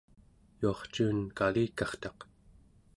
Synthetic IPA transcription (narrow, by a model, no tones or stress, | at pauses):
juɑχt͡ʃuːnkaliːkɑχt̪ɑq